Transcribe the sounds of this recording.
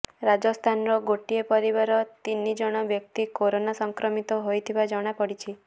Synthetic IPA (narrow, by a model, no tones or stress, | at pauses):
ɾad͡ʒɔst̪ʰanɾɔɡoʈiepɔɾibaɾɔt̪inːid͡ʒɔɽ̃ɔbjɔk̚t̪ikoɾonasɔŋkɾɔmit̪ɔɦojt̪ʰibad͡ʒɔɽ̃apɔɽit͡ʃʰi